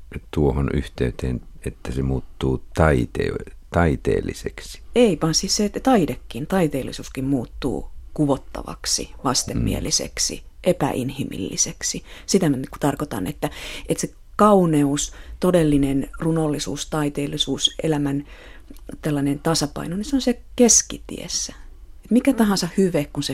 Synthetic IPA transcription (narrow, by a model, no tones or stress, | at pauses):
t̪uohony̰ht̪eyt̪eːnet̪ːæsemuːt̪ːuːt̪ɑit̪ḛt̪ɑit̪ḛːlːiseksi̥eiʋɑːnsisset̪ɑidekːint̪ɑit̪eːlːḭsuːskimmuːt̪ːṵːkuʋot̪ːɑ̰ʋɑ̰ksḭʋɑst̪emːḭḛlisḛksḭʔepæ̰ʔinhimḭlːiseksisit̪æmæku̥t̪ɑrkot̪ɑ̰nḛt̪ːæʔet̪se | kɑuneust̪odelːinenrunolːisṵːst̪ɑit̪eːlːisuːsḛlæmæn | t̪elːɑnent̪ɑsɑpɑ̰inoniseonsekeskit̪ḭḛsːæ̥et̪mikæt̪ɑhɑnsɑhhyʋekkunse